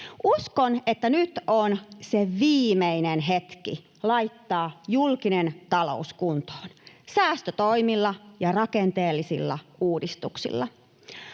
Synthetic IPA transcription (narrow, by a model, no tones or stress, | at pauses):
ʔuskonet̪ːænyt̪onseʋiːmeinenɦet̪kḭ | lɑjt̪ːɑːjulkinent̪ɑlo̰uskunt̪o̥ːnsæːst̪øt̪oimilːɑjɑrɑkent̪eːlːisḭlːɑ̰ʔuːdist̪uksḭlːɑ